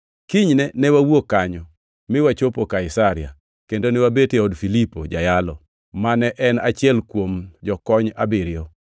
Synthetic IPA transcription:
kiɲnɛnɛwawokːaɲɔ | mɪwat͡ʃopokaɪsaɾɪja̰ | kendonɛwabeteɔdfilipod͡ʒajalɔ | manɛʔɛnat͡ʃjɛlkwomd͡ʒɔkɔɲabɪɾɪɔ

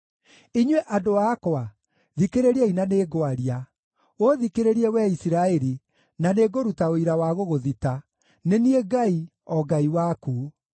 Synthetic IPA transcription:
iɲwɛʔadoaːkɔa | ðikeɾeɾiɛinaneːɡoaɾia | oðikeɾeɾiɛwɛisiɾaɛɾi | naneɡoɾutaoiɾawaɣoɣoðita | nenieɡai | ɔɡaiwakuː

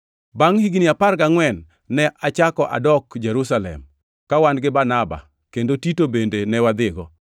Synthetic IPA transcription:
baŋhiɡniaparɡaŋwɛnː | ɛʔat͡ʃakɔʔa̰dɔkd͡ʒɛɾusalɛ̰m | kawanɡɪbanaba̰ | kendotitobendenɛwad̪ɪɡɔ

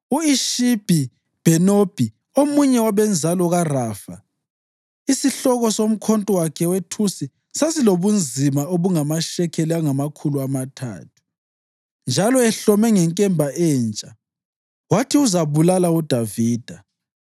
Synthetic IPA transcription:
uiʃib̥ʱi | b̥ʱɛnob̥ʱi | omuɲɛwaβɛnd͡zʱalɔɣaraːfa̰ | isiɬɔɣɔsom̩kʰontʼɔwakʰɛwetʰusi | sasiloβund͡zʱimaoβuŋamaʃɛkʰɛliaŋamakʰuluamatʰa̰ːtʰu̥ | nd͡ʒʱalɔɛɬɔmɛŋɛŋkʼɛmbʱaʔɛːnt͡ʃʼa | watʰiuzaβulalaud̥ʱaviːd̥ʱa

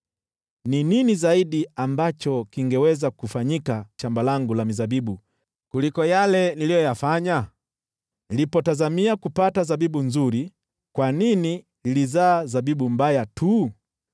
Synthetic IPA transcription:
nininizaiɗiambat͡ʃɔkiŋɡɛwɛzakufaɲikat͡ʃambalaŋɡulamizabiɓu | kulikɔjalɛnilijɔjafaɲa | nilipɔtazamiakupatazabiɓunzuɾi | kwanini | nilizaːzabiɓumbajatʰu

